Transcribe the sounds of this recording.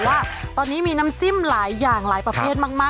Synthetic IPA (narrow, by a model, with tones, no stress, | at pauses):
waː˥˩t̪ɔː˧nːiː˦˥miː˧na˦˥mt͡ɕi˥˩mlaː˩˦jːaː˨˩ŋlaː˩˦jpɾa˧pʰeː˥˩t̪̚maː˥˩k̚maː˥˩